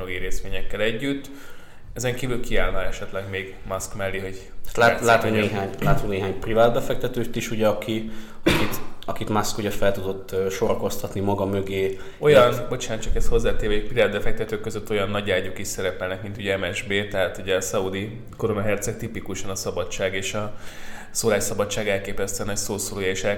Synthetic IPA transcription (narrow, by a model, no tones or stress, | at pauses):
oɡiɾeːst̪ʋeːɲɛkːɛlɛɟːyt̪ː | ɛzɛŋkiːvylkiaːlnɒɛʃɛt̪lɛɡmeːɡ | mɒskmɛlːiɦo̞ɟ̪t̪laːlaːt̪oneːɦaːɲlaːt̪oneːɦaːɲprivaːd̪̚bɛfɛk̚t̪ɛt̪øːt̪iʃuɟɛɒkʰi | ɒkit̪ɒkit̪mɒskuɟɛfɛlt̪ud̪o̞t̪ːøːʃo̞ɾɒko̞st̪ɒt̪nimɒɡɒmøɡeː | o̞jɒnbo̞t͡ʃaːnt͡ʃɒkɛst̪ho̞zːaːt̪eːɾvɛikpriaːd̪̚bɛfɛk̚t̪ɛt̪øːkːøzøt̪ːo̞jɒnːɒɟaːɟokiʃsɛɾɛpɛlnɛkmint̪uɟɛɛmɛʒbeːt̪ɛɦaːt̪uɟɛɒsɒud̪i | ko̞ɾonɒɦɛrt̪sɛk̚t̪ipikuʃɒnɒsɒbɒt͡ʃaːɡeːʃɒ | soːlaːʃsɒbɒt͡ʃːaːɡɛlkeːpɛst̪ønɒcsoːsoloːjɛeːʃɛ